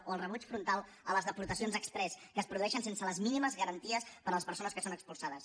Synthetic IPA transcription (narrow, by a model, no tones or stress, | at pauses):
oəlˠrəβut͡ʃfɾunt̪alˠ | ələzðəpuɾt̪əsionzəkspɾɛskəːspɾuðuɛʃənsensələzminiməzɣəɾənt̪iəspəɾələspəɾsonəskəsonəkspulˠsaðəs